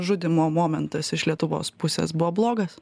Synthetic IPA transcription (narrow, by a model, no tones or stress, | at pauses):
ʒʊd̪ʲɪmoːmoːmʲɛnt̪ɐsɪʃlʲiɛt̪ʊʋo̰ːspʊsʲḛsbʊʋoːblˠoːɡɐs